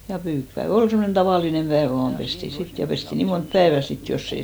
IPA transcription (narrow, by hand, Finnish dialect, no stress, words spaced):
jɑ pyːkpæeʋ ol semːonen tɑʋɑˑlinem pæeʋæ̆ ʋɑːm pesti sit jɑ pesti niː mont pæeʋæ sit josː ei